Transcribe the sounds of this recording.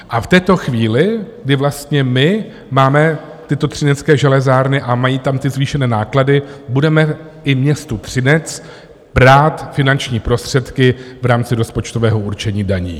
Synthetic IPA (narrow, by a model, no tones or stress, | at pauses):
ʔaft̪ɛːt̪o̞xviːlɪɡ̚dɪvlast̪ɲɛmɪ | maːmɛ | t̪ɪt̪o̞t̪r̝̥ɪnɛt͡skɛːʒɛlɛzaːɾnɪʔamajiːt̪amt̪ɪzviːʃɛnɛːnaːkladɪbudɛmɛ | ʔɪmɲɛst̪ut̪r̝̥ɪnɛt͡s | b̥ɾaːt̪fɪnant͡ʃɲiːpɾo̞st̪r̝̥ɛt̪kɪvɾaːmt͡sɪɾo̞spo̞t͡ʃt̪o̞vɛːɦo̞ʔuɾt͡ʃɛɲiːdaɲḭː